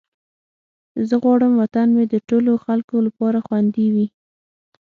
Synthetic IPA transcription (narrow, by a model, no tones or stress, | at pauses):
zəɣwɑɽəmwat̪anmed̪əʈoloxalkolapɑɾaxwand̪iwi